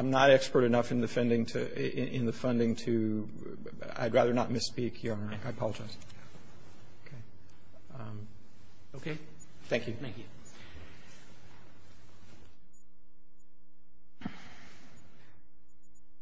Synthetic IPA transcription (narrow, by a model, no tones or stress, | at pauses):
ãɪ̃mnəɾɛkspə˞ɾɨnʌfɨ̃nðɨfɛ̃ndɪ̃ŋtʰɨʔɪɪ̃nðɨfʌ̃ndɪ̃ŋtʰɨ | a̰ɪd̚ɹæðə˞nət̚mɨspikʰjə˞ | aɪpʰɑlˠəd͡ʒaɪz̥ | kʰeɪ | oʊkʰeɪ | θæ̃ŋkjʉ̃ | ŋk